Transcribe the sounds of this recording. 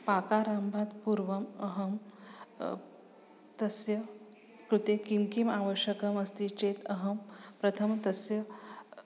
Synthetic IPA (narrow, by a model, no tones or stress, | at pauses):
pakaɾambʱat̪puɾʋɐməɦɐm | t̪ɐsjɐ | kɾut̪ekimkimaʋəɕjəkɐmɐst̪it͡ʃeːt̪əɦɐmpɾɐt̪ʰəmt̪ɐsjɐ